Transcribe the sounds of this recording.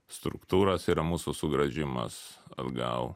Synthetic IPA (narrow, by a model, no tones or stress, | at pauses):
st̪ɾʊ̰kt̪uːɾɐsiːɾɐmuːsʊsʊɡɾɐʒʲɪmɐ̰sɐ̰d̪ɡɐ̰ʊ